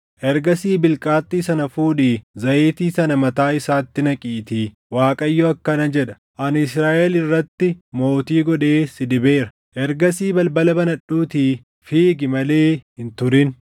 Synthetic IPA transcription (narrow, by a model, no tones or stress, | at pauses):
ʔɛɾɡɐsiːbɪlkʼaːt̪ːiːsɐnɐfuːᶑiːzɐʔeːt̪iːsɐnɐmɐt̪aːɪsaːt̪ːɪnɐkʼiːt̪iː | waːkʼɐjːɔɐkːɐnɐd͡ʒɛᶑɐ̥ | ʔɐnɪsɾaːʔɛlɪrːɐt̪ːɪmo̞ːt̪iːɡɔᶑe̞ːsɪd̪ɪbe̞ːɾɐ | ʔɛɾɡɐsiːbɐlbɐlɐbɐnɐᶑuːt̪iː | fiːɡɪmɐle̞ːhɪnt̪ʊɾɪn